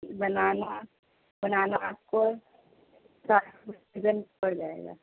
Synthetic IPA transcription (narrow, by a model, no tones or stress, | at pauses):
bɐnaːna | bɐnaːnap̚ko | saːd͡ʒənpɐɾd͡ʒaːḛːɡa̰ː